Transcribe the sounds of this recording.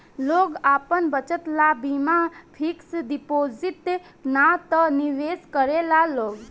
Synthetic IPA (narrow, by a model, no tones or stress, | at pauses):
loːɡaːpənbət͡ʃət̪labimapʰiksd̪ipoːzit̪e | nat̪əniʋeːskəɾelaloːɡ